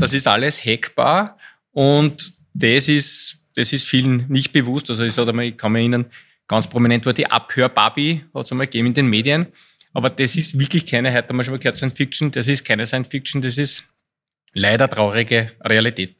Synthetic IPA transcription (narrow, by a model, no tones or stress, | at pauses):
d̥ɑsɪstaləshɛkb̥a̰ː | ʊnt | d̥esɪs | d̥esɪstfiːln̩nːɪçt̚b̥evustas̬oiçsɔtəmaɪçkʰɑnmiɐĩnɐn | ɡ̥ɑ̃nt͡spʁominɛ̃ntʋoɐd̥iʔa̰phøːɐb̥a̰bihɔ̰tsamalɡ̥eːbmɪndenmeːdiən | ʔɑːbɐd̥̪esɪstvɪɐklɪçkʰæɪnəɦɛt̪ːɔmaʃmakʰɛɐtsɛɪnsfik̚t͡ʃn̩d̥es̬ɪstkʰæɪnəsaɪnsfik̚t͡ʃn̩d̥es̬ɪst | læɪdɐtʁɑʊʁɪɡəʁealitʰeːt̚